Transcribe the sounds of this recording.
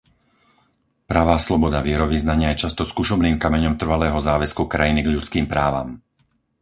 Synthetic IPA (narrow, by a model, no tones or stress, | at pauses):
pɾaːʋaːslɔbɔd̪aʋɪɛɾɔʋiznaɲɪajɛt͡ʃast̪ɔskuʃɔbniːmkamɛɲɔmt̪r̩ʋalɛːɦɔzaːʋɛskukɾajiniɡʎut͡skiːmpɾaːʋa̰m